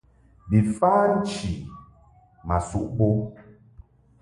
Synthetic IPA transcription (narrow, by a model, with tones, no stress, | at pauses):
bi˨faː˦n̩˦t͡ʃi˨ | ma˨sṵ˦˨ʔɓo˦